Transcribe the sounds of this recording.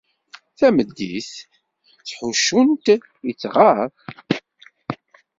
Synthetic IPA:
θæməd̪ːḭθ | θħuʃːunt̪ | jət͡sːʁaf

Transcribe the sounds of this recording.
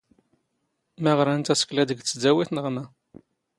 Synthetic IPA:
mæʁɾˤænt̪æsə̥klæd̪əɡt͡sːəd͡zæwiθnəʁmæ

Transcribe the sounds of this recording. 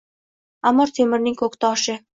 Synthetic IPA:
amːɒɾt̪ʰemɪɾnɪŋkʰɵkt̪ʰɒʃɪ

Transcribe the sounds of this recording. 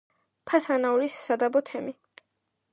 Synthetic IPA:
pʰasanauɾisːad̪abɔt̪ʰɛmi

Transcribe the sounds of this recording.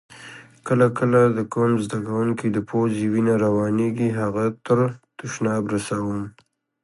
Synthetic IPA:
kəlakəlad̪əkomzd̪akawuŋkid̪əpʰoziwinaɾawɑneɡiɦaɣat̪əɾt̪ʊʃnɑbɾasawəm

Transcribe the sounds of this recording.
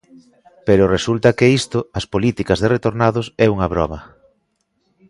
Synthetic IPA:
peɾʊresult̪ɐkeist̪ʊɐspolit̪ikɐzðeret̪oɾnaðʊsɛuŋɐβɾɔ̰mɐ

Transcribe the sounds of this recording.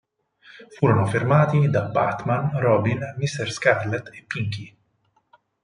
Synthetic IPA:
fuːɾanɔfiɾmaːt̪id̪abaɾt̪manɾɔbinmist̪ɛɾskaɾlɛt̪ɛpːiŋki

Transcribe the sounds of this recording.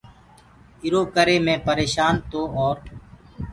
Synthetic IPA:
ɪɾoːkəɾeːmẽːpəɾeːʃaːnt̪oːɔːɾ

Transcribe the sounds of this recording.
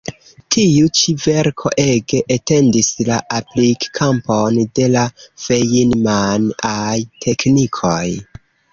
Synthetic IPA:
tʰiut͡ʃive̞ɾkʰo̞̰ʔe̞ɡeʔete̞ndislaʔaplikːʰamponde̞lav̥ejinmanajtʰe̞knikʰo̞j

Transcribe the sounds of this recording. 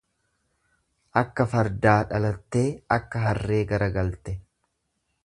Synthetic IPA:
ʔɐkːɐfɐɾd̪aːᶑɐlɐt̪ːe̞ːɐkːɐɦɐrːe̞ːɡɐɾɐɡɐlt̪ɛ

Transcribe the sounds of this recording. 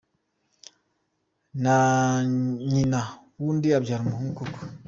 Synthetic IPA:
na | ɲinawuːndiabɟaɾimuhuŋkuku̥

